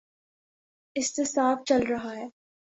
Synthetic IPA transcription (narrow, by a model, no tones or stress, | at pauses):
ɪsːesaːft͡ʃɐlɾɐɦaɦɛː